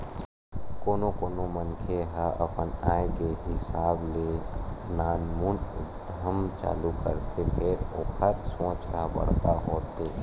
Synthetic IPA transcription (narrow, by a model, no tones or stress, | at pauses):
koːnokoːnomənkʰeɦaʔə̰pənaːekeɦɪsaːblenaːnmund̪ʱəmt͡ʃa̰ːlukə̰ɾt̪ʰepʰeːɾo̰ːkʰət̪sõːt͡ʃkabə̰ɽ̤kaɦoːt̪ʰe